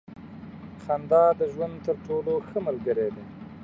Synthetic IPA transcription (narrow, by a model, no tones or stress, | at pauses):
xand̪ɑd̪əʒwand̪t̪əɾʈoloxəməlɡəɾed̪e